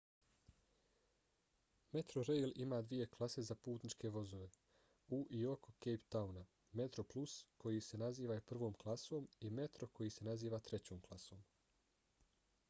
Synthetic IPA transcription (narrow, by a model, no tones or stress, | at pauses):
me̞t̪ɾoɾejlimaːd̪ʋije̞klˠase̞zapuːt̪nit͡ʃke̞ʋo̞zo̞ʋe̞ | uʔio̞ko̞kejpt̪auna | me̞t̪ɾo̞plˠuskʰo̞jise̞naziːʋaepr̩ʋo̞ːmklˠaso̞ːmime̞t̪ɾo̞kʰo̞jise̞naziːʋaːt̪ɾe̞t͡ɕo̞ːmklˠaso̞ːm